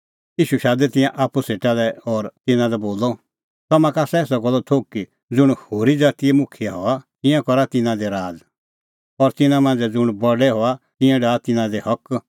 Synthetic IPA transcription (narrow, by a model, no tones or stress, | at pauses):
jiːʃuʃaːd̪ɛt̪ɪ̃jãʔaːpːuseːʈalɛɔɾt̪ɪnãd̪ɛboːlɔ | t̪ɔmãkaːsɛɛːsɔɡɔlɔt̪ʰoːkːi | d͡zʊɽ̃hoːɾid͡zaːt̪iemʊkʰijaɦɔat̪ɪ̃jãkɔɾat̪ɪnãd̪eɾaːd͡z | ɔɾt̪ɪnãmãnd͡zɛd͡zʊɽ̃bɔɖɛɦɔat̪ɪ̃jãɖaːt̪ɪnãd̪ehɔk